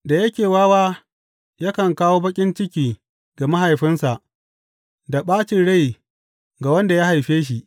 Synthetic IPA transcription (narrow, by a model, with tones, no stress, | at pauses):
da˨jɐ˦kʲeː˨waː˦waː˦ | ja˦kɐ˨ŋkaː˦woː˦bɐ˦kʲʼɪ˦nt͡ʃɪ˦kʲiː˨ | ɡ̥a˨ma˦ɦa˨jɸɪ˦nsa˨ʔ | da˨ɓaː˦t͡ʃɪ˨nɽa˦˨j | ɡa˨wɐ˦nda˨ja˦ha˨jɸeː˦ʃ̬i˨ʔ